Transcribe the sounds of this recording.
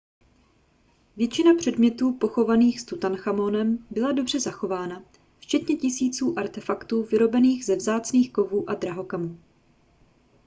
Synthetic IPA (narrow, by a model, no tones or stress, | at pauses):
vjɛt͡ʃɪnapr̝̥ɛdmɲɛt̪uːpo̞xo̞vaniːxst̪ut̪anxamo̞nɛmbɪlado̞br̝ɛzaxo̞vaːna | ft͡ʃɛt̪ɲɛcɪsiːt͡suːʔaɾt̪ɛfakt̪uːvɪɾo̞bɛniːxzɛvzaːt͡sniːxko̞vuːʔadɾaɦo̞kamuː